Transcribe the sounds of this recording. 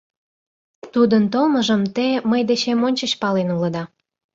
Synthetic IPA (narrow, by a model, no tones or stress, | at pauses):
t̪ud̪ənt̪olməʒəmt̪eməjd̪et͡ɕemonʲt͡ɕəɕpɑlenuləd̪ɑ